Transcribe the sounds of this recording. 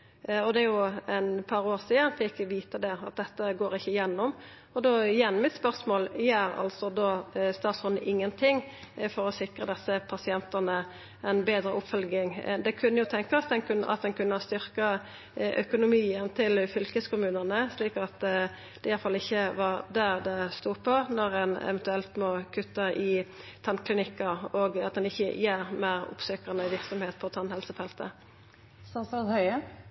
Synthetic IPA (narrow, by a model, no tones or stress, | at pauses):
ɔd̪ɛjʊɛnpʰɑɾoːʁsiːənfɪkʋiːt̪əd̪ɛɑ̰t̪̚d̪ɛt̪ːəɡoːɾɪçːəjɛnːɔm | ɔd̪ojɛnːmɪt̪spœʁsmoːljæːɾɑ̰lsɔd̪oːst̪ɑːt̪sɔnəʔɪŋːənt̪ʰɪŋː | fɔɾɔsɪkɾəd̪ɛsːəpʰɑsɪɛnt̪ənə | ʔɛnbeːd̪ɾəʔʊpfœlɡɪŋd̪ɛkʰʉnːəjʊt̪ʰɛŋkɑsd̪ɛnkʰʉnʔɑ̰t̪̚d̪ɛnkʰʉnːəst̪ʏʁkɑ | ʔœ̰kʊnʊmiːənt̪ʰɪlfʏlkəskʊmʉːnəʁnəsliːkɑt̪ | d̪̥ɛjæɾt̪fɑlːɪçːəʋɑʁd̪æʁd̪ɛst̪uːpʰɔnɔʁɛnɛ̰ʋɛnt̪ʉɛlt̪mɔkʰʉt̪ːəʔɪ | t̪ʰɑnkʰlɪnɪkːəʁoɡɑt̪̚d̪ɛnɪçːə̰jeːʁmæːʁʊ̰psøːkɑnəʋɪʁksɔmheːt̪̚pʰɔt̪ʰɑnhɛlsəfɛlt̪ə̰ | sɑsɑhœʏə